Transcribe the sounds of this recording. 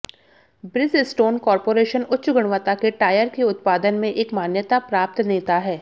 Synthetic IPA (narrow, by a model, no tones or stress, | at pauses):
bɾɪzɪsʈoːnkɔːɾpoːɾeːʃənʊtːʃɡʊɽ̃ʋət̪akeʈaːjəɾkeʊt̪paːd̪ənmẽʔeːkmaːnjət̪apɾaːp̚t̪neːt̪aɦɛː